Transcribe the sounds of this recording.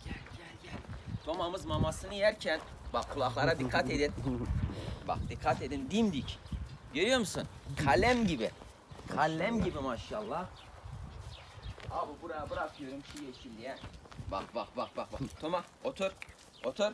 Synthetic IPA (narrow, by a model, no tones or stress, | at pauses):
t̪ʰomamɯzmamasɯnɯjæɾcʰæn | baχkʰːulˠaklˠaɾad̪ikʰːat̪ed̪in | ba̰χd̪ikʰːat̪ed̪ind̪imd̪icjøɾjoɾmusunkʰalʲæmɟibi | kʰalʲːɛmɟibimaʃalˠːah | abubuɾajabɯɾakʰɯjo̞ɾumt͡ʃʰijeʃimd̪ijɛba̰χbaχbaχbaxba̰χt̪ʰomaot̪ʰuɾ | ot̪ʰuɾ